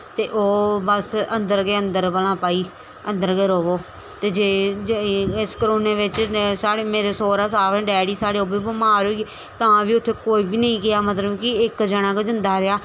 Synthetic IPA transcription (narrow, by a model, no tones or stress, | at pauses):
t̪eːʔoːbəsə̃nd̪əɾɡeːə̃nd̪əɾbəlãːpaːiː | ə̃nd̪əɾɡeːɾoːʋoː | t̪eːd͡ʒeː | ɪskəɾoːneːʋɪt͡ʃsaːɽeːmeːɾeːsoːɾaːsaːʋɛ̃ːɖɛːɽiːsaːɽeːoːbiːbəmaːɾɦoɡeː | t̪ãːbiːʊt̪ʰːeːkoːiːbiːnəĩːkɪjaːmət̪ləbkɪɪkd͡ʒəɽ̃ãːkd͡ʒɪnd̪aːɾɪaː